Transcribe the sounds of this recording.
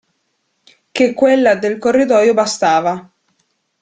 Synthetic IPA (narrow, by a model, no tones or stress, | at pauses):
kekːwelːad̪elkorːid̪ɔːjobast̪aːva